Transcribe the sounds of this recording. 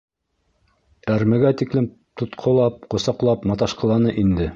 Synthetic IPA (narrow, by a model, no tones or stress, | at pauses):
æɾmɘ̆ɡæt̪iklɘm | t̪ŏt̪qʰŏlˠɑp̚qŏsɑqlˠɑpmɑt̪ɑʃqɤ̆lˠɑnɤʔind̪ɘ